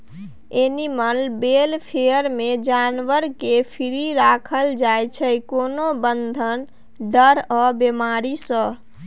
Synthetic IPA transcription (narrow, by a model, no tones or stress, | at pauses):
enimənbeːlpʰejəɾmẽd͡ʒanʋəɾkepʰiɾiɾakʰəld͡ʒaːjt͡ʃʰəkoːnobənd̪ʱən | ɖəɾɔbemaːɾisə̃